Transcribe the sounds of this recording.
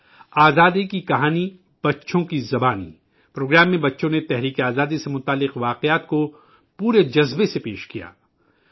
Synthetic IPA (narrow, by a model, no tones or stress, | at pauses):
aːzaːd̪ikikɐɦaːni | b̥ɐtːʃʰõkizɐbaːnḭ | pɾoːɡɾaːmːẽbɐtːʃõnet̪ɛɦɾiːkeaːzaːd̪isemʊt̪aːlːɪqʋaːqjaːt̪ko | puːɾed͡ʒɐzbesepeːʃkija̰ː